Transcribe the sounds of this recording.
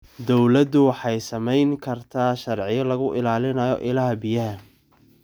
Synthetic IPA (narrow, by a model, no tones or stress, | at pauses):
d̪ɔwlɐd̪ʊwɑħɑjsɐmɛjŋkʰɐrt̪ʰaːʃɐrʕɪjɐlɐɣʊʔɪlaːlɪnɐjɔ̰ʔɪlɐɦɐbijɐɦɐ